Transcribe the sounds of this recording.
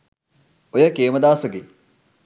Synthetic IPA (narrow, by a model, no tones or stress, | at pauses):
ojəkeːməd̪aːsəɡe